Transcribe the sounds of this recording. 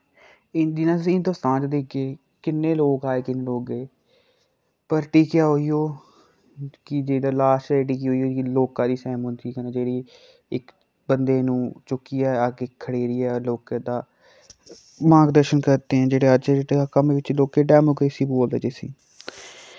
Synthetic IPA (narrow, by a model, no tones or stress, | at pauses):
ɪnd̪iːnãːt̪ʊsĩːnt̪ʊst̪ãːnt͡ʃd̪eɡeː | kɪnːeːloːɡaːeːkɪnːeːloːɡeː | pəɾʈiːkjaːɦoːiːjoː | kɪd͡ʒeːd̪aːlaːsʈɛːʈiːkiːɦoːiːoːkloːkãːd̪iːsɛːmʊnd̪iːkənẽːd͡ʒeːɽiː | ɪk | bənd̪eːnũːt͡ʃʊkːiːɛːaːɡeːkʰːəɽeːɾiːɛːloːkãːd̪aː | mãːɡd̪əɾʃənkəɾt̪eːɦɛ̃ːd͡ʒeːɽeːət͡ʃeeeakəmʋɪt͡ʃloːkeːɖɛːmoːkɾeːsiːboːld̪d͡ʒeːsḭ̃ː